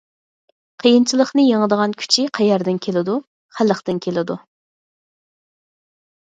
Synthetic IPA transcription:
qʰəjint͡ʃʰilˠəχnɨjeŋəd̪əʁɑnkʲʰy̥t͡ʃʰiqʰæjɛɾd̪ɪnkʲʰelɪd̪u | χælˠːəχt̪ɨnkʲʰelɪd̪u

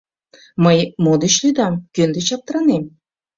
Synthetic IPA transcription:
məjmod̪et͡ɕlujd̪ɑmkønd̪et͡ɕɑp̚t̪əɾɑnem

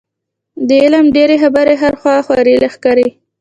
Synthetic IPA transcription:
d̪əɪləmɖeɾexabaɾeɦaɾxwɑxwaɾilaxkɑɾi

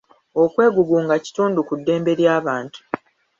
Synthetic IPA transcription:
o̞kwe̞ːɡuɡuːŋɡaci̥tuːndukudːe̞ːmbe̞ɾjaːβaːntu̥

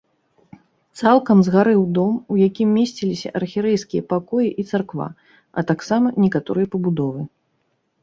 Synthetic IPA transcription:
t̪salˠkɐmzɣaɾɨwd̪ɔmujakʲimːʲesʲt͡sʲilʲisʲɐ̰ʔɐrxʲiɾɛjskʲijɐpakɔjiʔit̪sarkva̰ | ɐ̰t̪aksamɐnʲɛkat̪ɔ̰ɾɨjɐpɐbud̪ɔvɨ

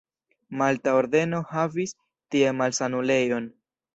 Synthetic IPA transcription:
maltao̞ɾde̞no̞havis | tie̞malsanule̞jo̞n

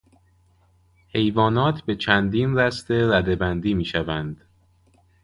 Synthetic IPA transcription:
he̞jvɒːnɒːt̪ʰbe̞t͡ʃʰænd̪iːnɾæst̪e̞ɾæd̪e̞bænd̪iːmiːʃævænd̪̥

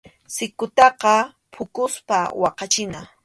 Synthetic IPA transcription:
sɪkʊt̪ɑqɑ | pʰʊkʊspa̰wɑqɑt͡ʃɪna

